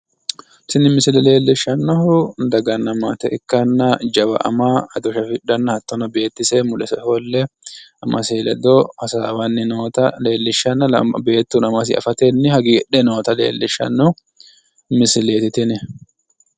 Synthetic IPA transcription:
sɪnːɪmɪsɪlɛle̞ːlːɪʃːɐnːɔhʊnd̪ɐɡɐnːɐmaːt̪ɛʔɪkːɐnːɐd͡ʒɐwɐ̰ʔɐ̰maːɐd̪ɔʃɐfɪᶑɐnːɐhɐt̪ːɔnɐbe̞ːt̪ːɪsɛmʊlɛsɛholːɛʔɐmʔɐseːlɛ̰d̪ohɐsaːwɐnːɪnoːt̪ɐle̞ːlːɪʃːɐnːɐɐ̰be̞ːt̪ːunɐmɐs̬ɪ̰ɐ̰fɐt̪enːɪhɐɡiːɡᶑɛno̞ːt̪ɐle̞̰ːlːɪʃɐ̰nːɔhʊ | mɪsɪleːt̪ɪt̪ɪnɪ

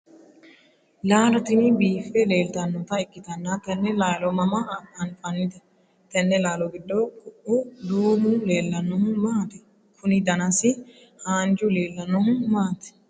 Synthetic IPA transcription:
laːlɐt̪ɪmɪbiːfɛle̞ːlt̪ɐnːɔt̪ɐɪkʼːɪt̪ɐnːat̪ɐnːɛlaːlɔmɐmɐʔɐɐnfʼɐnːɪd̪ɐ | t̪ɐnːɛlaːlɔɡɪd̪ːokʼʊʔʊd̪uːmʊle̞ːlːɐnːɔhʊmaːt̪ɛ | kʰʊnɪd̪ɐnɐsɪ | haːnd͡ʒʊle̞ːlːɐnːɔhʊmaːt̪ɛ̥

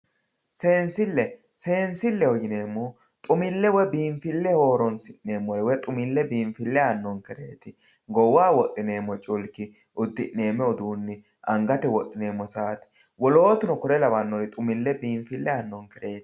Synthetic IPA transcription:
seːnsɪlːɛ | se̞ːnsɪlːɛhɔjɪne̞ːmːu | t̪ʼʊmɪlːɛwɛbiːɱfɪlːɛho̞ːɾɔnsɪnne̞ːmːɔlɛwɛt̪ʼʊmɪlːɛbiːɱfɪlːɛɐnːɔŋkɛɾe̞ːt̪ɪ | ɡɔwaːwɔʔʼːɪne̞ːmːɔt͡ʃʼʊlkɪ | ʔʊd̪ːɪʔːe̞ːmːɛɔd̪uːnːɪ | ʔɐŋɡɐt̪ɛwɔʔːɪne̞ːmːɔsaːt̪ɪ̥ | wɔlo̞ːt̪ʊnɔkʊɾɛlɐβɐnːɔɾɪt̪ʼʊmɪlːɛbiːɱfɪlːɛɐnːɔŋkɛɾeːt̪ɪ̥

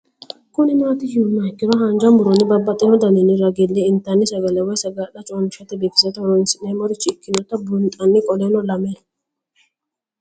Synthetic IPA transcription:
kʊnɪmaːt̪ɪjunakːɪɾɔɦand͡ʒɐmbʊɾɔnːɪbɐbːɐt̪ʼːɛnɔd̪ɐnɪnɪɾɐɡɛlːeɪnt̪ɐnːɪsɐɡɐlɛwɔjsɐɡaᶑɐt͡ʃʼonɪʃɐt̪ɛd̪eːfɪ̥sɐt̪ɔɔɾɔɪnsɪʔɛmɔɾɪt͡ʃːɪːkːɪnɔt̪ːɐbʊnt̪ʼɐnːɪkʼɔlenɔlɐme

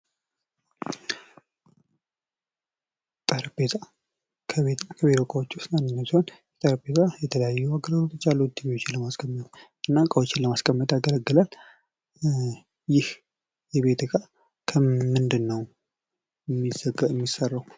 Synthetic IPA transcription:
t̪ʼəɾbet̪ʰa | kʰəβet̪kʰəβet̪okʼəwot͡ʃːust̪nanːɨnːəsiho̞njɛt̪ʼəɾbet̪ʰajɛt̪ʰələjajːuaɡəɾəɾot̪ɨt͡ʃːalːut̪ːibet̪ot͡ʃːɪnləmaskʰʼəmːət̪ʔɨnːakʼəwot͡ʃːɪnləmaskʰʼəmːət̪aɡələɡːɨlal | jɪh | jɛβe̞t̪ɡa | kʰəmɨnd̪ɨnːəw | ɛmːizəɡəɛmːisːərːəw

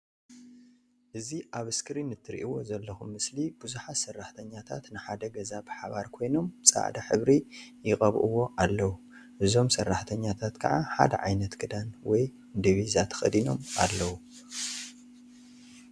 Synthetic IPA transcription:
ʔɨziʔaβɨskʰɨɾinɨt̪ʰːɨɾiʔiwo̞zɐlːɐxumːɨslib̥uzuħasɐrːaħt̪ʰɐɲːat̪ʰa̰t̪nɨħad̪ɐɡɐzabɨħaβaɾkʰo̞jno̞mbsʼa̰ʕd̪aħɨβɾijɪkʼɐβʔɨwo̞ʔalːɐwu | ʔɨzo̞msɐrːaħt̪ʰɐɲːat̪ʰat̪kʰɐʕaħa̰d̪ɐ̰ʕajnɐt̪ɡʰɨd̪anwɔj | ɨnd̪iβizat̪ʰɐ̥xɐ̰d̪ino̞mʔalːɐwu

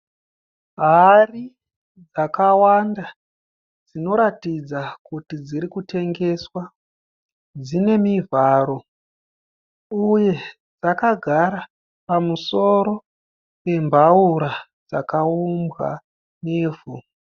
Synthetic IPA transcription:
ɦari | d͡zakawanda | d͡zino̞ɾatid͡zakutid͡ziɾikute̞ŋɡe̞swa | d͡zine̞mivʱaːɾo̞ | uje̞ | d͡zakaɡʱaɾa | pamuso̞ɾo̞ | pe̞mbʱauɾa | d͡zakaumbɣa̰ | neːvu

